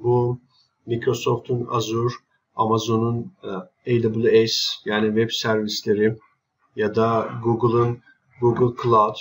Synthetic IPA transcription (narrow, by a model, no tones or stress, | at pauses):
bu | mikɾo̞so̞ft̪ʰuna̰zuɾ | amazo̞nun | ejd̪abɯlˠejsjaːnivɛbsæɾvislʲeɾɪ | jad̪aɡuɡɯlˠɯn | ɡuɡɯlˠkʰlˠawd̪̥